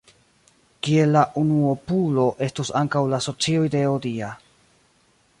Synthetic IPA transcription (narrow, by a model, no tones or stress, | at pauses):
kie̞lːaʔunuopulo̞ʔe̞stusaŋkawlaso̞t͡siojde̞odia